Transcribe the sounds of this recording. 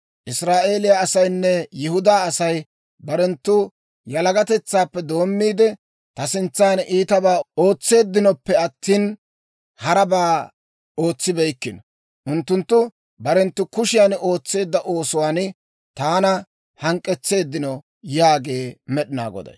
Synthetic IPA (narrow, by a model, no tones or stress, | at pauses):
ʔɪsɾaːʔe̞ːlɪjaːsɐjnːɛjɪhʊd̪aːɐsɐj | bɐɾɛnt̪ːʊ | jɐlɐɡɐt̪ɛt͡sːaːpːɛd̪o̞ːmːiːd̪ɛ | t̪ɐsɪnt͡sːaːniːt̪ɐbaːo̞ːt͡sːe̞ːd̪ːɪnɔpːɛɐt̪ːiːn | hɐɾɐbaː | o̞ːt͡sːɪbɛjkːɪnɔ | ʔʊnt̪ːʊnt̪ːʊ | bɐɾɛnt̪ːʊkʊʃɪjano̞ːt͡sːe̞ːd̪ːɐʔo̞ːsʊwaːn | t̪aːnɐ | hɐŋkʼːɛt͡sːe̞ːd̪ːɪnɔ | jaːɡe̞ːmɛɗɪna̰ːɡɔ̰d̪ɐ̰j